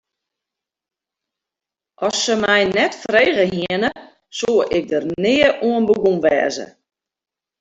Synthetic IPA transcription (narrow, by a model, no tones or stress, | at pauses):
ʔɔsːəmɛjnɛtfreːɣəɦiənə | soəʔɪk̚dərnɪːəʔuənbəɡumʋɛ̰ːzə̰